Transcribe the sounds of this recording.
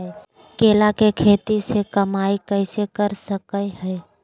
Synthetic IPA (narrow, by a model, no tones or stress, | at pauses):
keːlakekʰeːt̪isekəmaːikəɪsekəɾsəkəeɦɛː